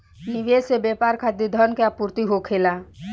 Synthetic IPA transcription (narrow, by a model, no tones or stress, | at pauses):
niʋesebeːpaːɾkʰad̪id̪ʱənkeapuːɾt̪iɦokʰeːla